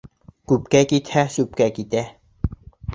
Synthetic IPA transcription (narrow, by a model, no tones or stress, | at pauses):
kup̚kɛkit̪ʰæsup̚kækit̪ɛ